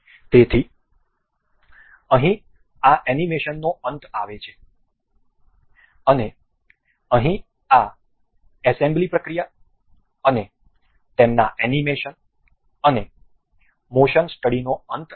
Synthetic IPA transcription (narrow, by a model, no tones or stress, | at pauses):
t̪et̪ʰi | əɦĩ | aʔɛnimeʃənːoənt̪aʋet͡ʃʰe̥ | əne | əɦĩ | a | ɛsẽmblipɾəkɾija | əne | t̪emna̰ʔɛnimeʃən | əne | moʃənsʈəɽinoənt̪